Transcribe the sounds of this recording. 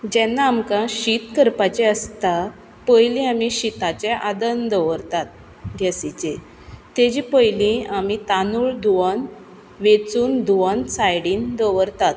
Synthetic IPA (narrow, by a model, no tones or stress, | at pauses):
d͡ʑɛnːaːmkãɕit̪kəɾpat͡ɕeəst̪a | pəjlĩamiɕit̪at͡ɕɛ̃ʔad̪ənd̪əʋəɾt̪at̪̚ | ɡʱɛsit͡ɕe | t̪ed͡ʑipəjlĩamit̪anuɭd̪uʋən | ʋet͡suːnd̪uʋənsajɽiːnd̪əʋəɾt̪at̪̚